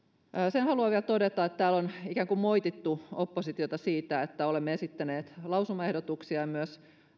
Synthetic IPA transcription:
senhɑluɑʋiælt̪odet̪ɑet̪t̪æːlonikæːŋkummoit̪it̪ːuopːosit̪iot̪ɑsiːt̪æet̪ːæolemːeesit̪ːæneːt̪lɑusumːɑehdot̪uksiɑjmyøs

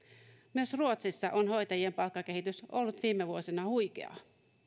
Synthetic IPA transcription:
myøsruot̪sisːɑʔonho̞jt̪ɑjiempɑlkːɑke̞hit̪yso̞lːut̪ʋiːmːeʋuosinɑhujkḛɑ̰

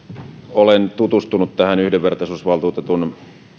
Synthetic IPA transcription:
olent̪ut̪ust̪unut̪t̪æhænyhdeʋʋert̪ɑsusʋɑlt̪uːt̪et̪un

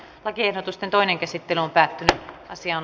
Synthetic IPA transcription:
lɑkiehdot̪ust̪ent̪oineŋkæsit̪ːelyompæːt̪ːynyʔɑsiɑːn

